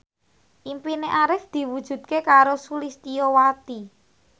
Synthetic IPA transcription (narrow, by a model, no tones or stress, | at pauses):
ʔimpineʔaɾɪfd̪̥i̤wud̥ʒ̥ṳd̪̚kekaɾosulist̪ijɔwat̪i